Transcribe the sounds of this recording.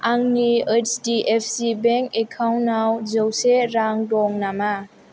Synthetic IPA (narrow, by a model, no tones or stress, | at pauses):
aŋniet͡ʃdiʔepʰsibeŋkekʰawnawzowseɾaŋdɔŋnama